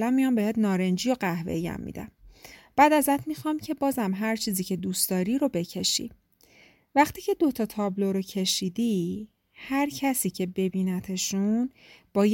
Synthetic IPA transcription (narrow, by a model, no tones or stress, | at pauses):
læmmːijɒmbeheːt̪nɒːɾe̞nd͡ʒijoɢæhvḛjæ̰mːḭːd̪æ̰mb̥æːd̪æzæt̪ʰmixɒmcʰe̞bɒːzæmɦæɾt͡ʃʰiːziːcʰe̞d̪uːsd̪ɒːɾiɾo̞be̞cʰe̞ʃḭ | væχt̪ʰiːcʰe̞d̪ot̪ʰɒːt̪ʰɒːbloɾocʰe̞ʃiːd̪i | hæɾcʰæsiːcʰe̞be̞biːnæt̪ʰeʃunb̥ɒːj